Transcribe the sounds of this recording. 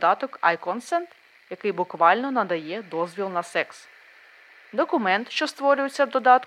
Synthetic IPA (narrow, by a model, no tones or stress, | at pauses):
d̪ɑt̪ɔkɐjkɔnsɛnt̪ | jɐkɪjbʊkʋɑlʲnɔnɐd̪ɐjɛd̪ɔzʲʋʲilˠnɐsɛks | d̪ɔkʊmɛnt̪ʃt͡ʃɔst̪ʋɔɾʲʊjet͡sʲːɐd̪ɔd̪ɑt̪